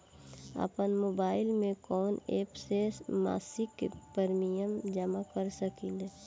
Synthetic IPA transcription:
ə̰pənmoːbaːɪlmẽkɔːneːpsesma̰ːsɪkpəɾmijəmd͡ʒəmakəɾsəkileː

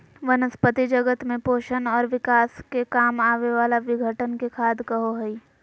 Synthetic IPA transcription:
ʋɐnəspət̪id͡ʒɐɡət̪mẽpoːʃənɔːɾʋɪkaːskekaːmaːʋeʋaːlaʋɪɡʱəʈənkekʰaːd̪kɐɦoɦɐiː

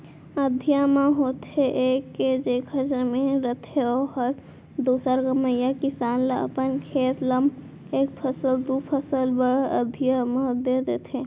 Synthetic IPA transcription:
əd̪ʱijamaɦot̪ʰeʔekːed͡ʒekʰəd͡ʒəmeɾət̪ʰeɔhəɾ | d̪osəɾɡəməjakisanleə̰pənkʰet̪ləm | eːk̚pʰəsəld̪upʰəsəlbəɾə̰d̪ʱijamad̪ed̪et̪ʰe

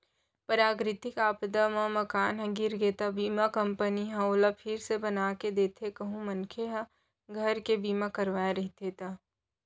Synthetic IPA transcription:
pəɾaːɡɾɪt̪ɪkaːpd̪amãmɐkaːnɦɐ̃ɡɪɾɡeːt̪abiːmakɐ̃mpəniɦãolapʰɪɾsebɐnaːked̪eːt̪ʰekɐɦũmɐnkʰeɦã | ɡʱɐɾkebiːmakɐɾʋaːaɾɐɦit̪ʰeːt̪a

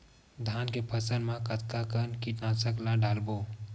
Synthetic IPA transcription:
d̪ʱaːnkepʰəsənmãkət̪kakənkiʈnãsəklãɖaːlbo

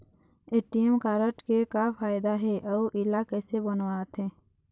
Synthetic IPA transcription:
eːʈiemkaːɾəʈkekafaːjd̪aɦɛʔɔːʔɪlakesebənwaːt̪ɦɛ̃ː

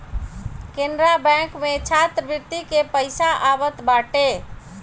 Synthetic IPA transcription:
kenɾabɛ̃kmet͡ʃʰat̪ɾəbɪt̪ikepəɪsaʔabət̪baʈe

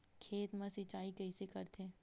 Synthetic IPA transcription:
kʰeːt̪mãsɪt͡ʃaːikɐɪsekɐɾt̪ʰeː

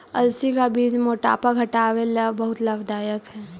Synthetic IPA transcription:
ɐ̰lsikabiːd͡ʒmoːʈa̰ːpaɡʱɐʈaːʋelabɐɦʊt̪laːbd̪aːjəkɦɛː

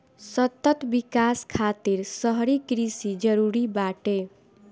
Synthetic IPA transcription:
sʌt̪ʌt̪bikaskʰat̪iɾsʌɦʌɾikɾisid͡ʒʌɾuɾibaʈe

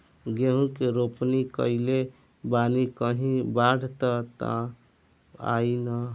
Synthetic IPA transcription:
ɡeɦũkeɾopnikəile | banikəɦĩbaɽ̤ʱt̪ət̪ã̰ | a̰jnə

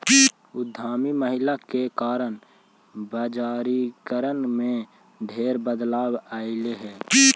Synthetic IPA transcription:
ʊd̪ʱːaːmiməɦɪlakekaːɾən | baːd͡ʒaːɾikəɾənmẽ | dʱeːɾbəd̪laːbaːɪleɦɛː

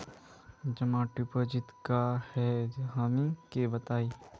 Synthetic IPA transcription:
d͡ʒɐmãːʈupəd͡ʒɪt̪kahɛd͡ʒɦaːmĩkebɐt̪aːiː

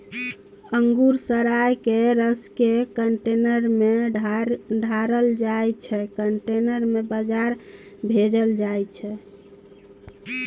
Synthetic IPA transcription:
əŋɡuɾsəɾajkeɾəskekəɳʈenəɾme | ɖʱaɾəld͡ʒajt͡ʃʰɛkəɳʈenəɾmebəd͡ʒaɾ | bʱed͡ʒəld͡ʒajt͡ʃʰɛ

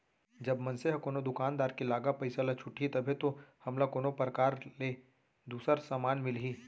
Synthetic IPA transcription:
d͡ʒɐbmɐ̃nseɦkoːnod̪ʊkaːnd̪aːɾkilaːɡapɐɪsalat͡ʃʰʊʈʰit̪ɐbʱet̪ohɐmlakoːnopɾəkaːɾleː | d̪uːsəɾsaːmaːnmɪlɦiː

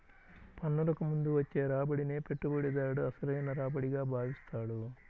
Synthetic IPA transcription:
pɐnːɐlɐkumund̪uʋɐt͡ʃːeːɾaːbɐɽineːpe̞ʈːubuɽid̪aːɐɽuɐsɐɾɐjɐnɐɾaːbɐɽiɡaːbʱaːʋist̪aːɽu

